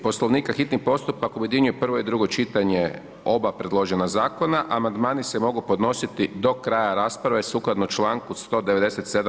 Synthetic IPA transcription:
po̞slˠo̞ʋniːkaxit̪nipo̞st̪upakujed̪jiɲujepr̩ʋo̞id̪ɾuɡot͡ʃit̪aɲe | o̞bapɾe̞d̪lˠo̞ʒenazaːko̞naʔamand̪maːnise̞mo̞ɡupo̞d̪no̞sit̪id̪o̞kɾaːjaɾaːspɾaʋesuklˠad̪not͡ʃlˠaːŋkust̪o̞ːd̪eʋe̞d̪e̞set̪se̞d̪a

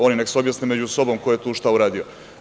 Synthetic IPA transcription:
oninekseobjasnemed͡ʑuso̞bo̞mkojjet̪uːʃt̪auɾaːd̪io

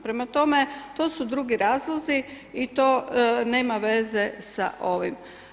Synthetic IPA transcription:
pɾemat̪o̞met̪o̞ːsud̪ɾuɡiɾaːzlˠozi | it̪o̞ːne̞ːmaʋe̞zesa̰ʔo̞ʋim

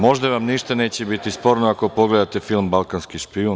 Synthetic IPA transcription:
mo̞ʒd̪aʋamniʃt̪ane̞ːt͡ɕebit̪ispo̞ːɾnoako̞po̞ɡle̞d̪at̪e̞filˠmbalˠkanskiʃpio

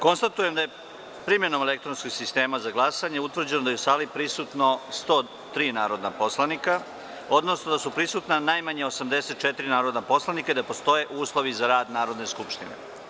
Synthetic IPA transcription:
ko̞nst̪at̪uje̞md̪aje̞ | pɾimjeno̞me̞lek̚t̪ɾo̞nskoɡsist̪e̞ːmazaɡlˠasaɲeut̪ʋr̩d͡ʑe̞nod̪ajeusaːlipɾisut̪no̞st̪o̞ː | t̪ɾiːnaːɾo̞d̪napo̞slˠanika | o̞d̪no̞sno̞d̪asupɾisuːt̪nanajmaɲeosamd̪e̞se̞t̪̚t͡ʃet̪iɾinaːɾo̞d̪napo̞slˠanikaid̪apo̞st̪o̞je̞ʔuːslˠo̞ʋizaɾaːd̪naːɾo̞d̪ne̞skupʃt̪inḛ

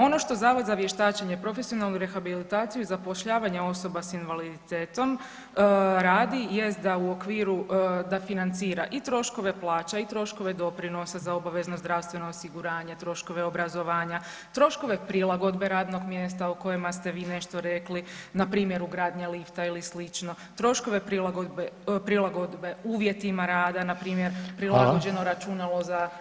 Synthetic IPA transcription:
o̞no̞ʃt̪o̞zaːʋod̪zaʋje̞ʃt̪aːt͡ɕeɲepɾo̞fe̞sio̞nalˠnuɾe̞xabilit̪aːt̪ijuizapo̞ʃʎaːʋaɲeo̞so̞basinʋalid̪it̪eːt̪o̞m | ɾaːd̪ije̞st̪̚d̪auokʋiːɾud̪afinant̪siːɾaʔit̪ɾo̞ʃko̞ʋe̞plˠaːt͡ɕait̪ɾo̞ʃko̞ʋe̞d̪o̞pɾino̞sazao̞baʋeznozd̪ɾawst̪ʋe̞no̞ːsiɡuɾaːɲet̪ɾo̞ʃko̞ʋe̞o̞bɾazo̞ʋaːɲa | t̪ɾo̞ʃko̞ʋe̞pɾilˠaɡo̞d̪be̞ɾaːd̪no̞ɡmjest̪auko̞jemast̪e̞ʋiːne̞ʃt̪o̞ɾe̞klinapɾiːmje̞ɾuɡɾaːd̪ɲalift̪ailislit͡ʃno̞ | t̪ɾo̞ʃko̞ʋe̞pɾilaɡod̪bepɾilˠaɡo̞d̪be̞uːʋje̞t̪imaɾaːd̪anapɾiːmjeɾpɾilˠaɡo̞d͡ʒe̞no̞ɾat͡ʃunaloza

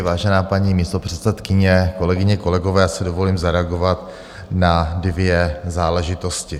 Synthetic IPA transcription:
vaːʒɛnaːpaɲiːmiːst̪o̞pr̥ɛt̪sɛt̪kɪɲɛko̞lɛɡɪɲɛko̞lɛɡo̞vɛːjaːsɛdo̞vo̞liːmzaɾɛaɡo̞vat̪ | nadvjɛzaːlɛʒɪt̪o̞scɪ

